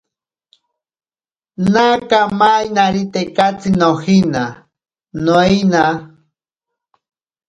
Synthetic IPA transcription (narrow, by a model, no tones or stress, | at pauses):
nakamajnaɾit̪ekat͡sinohina | noina